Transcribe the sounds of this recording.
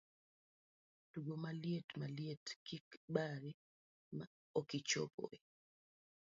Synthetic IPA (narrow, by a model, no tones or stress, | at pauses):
d̥uɡomaljetmaljetkikɓaɾi | ma̰ | okit͡ʃɔ̰pɔ̰ɛ